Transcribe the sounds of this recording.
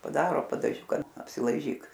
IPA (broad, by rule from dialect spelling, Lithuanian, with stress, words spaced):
pɐˈdɑːroː pɐdɐˈʒʲʊkɐ ɐpʲsʲɪlˠɐɪˈʒʲiːk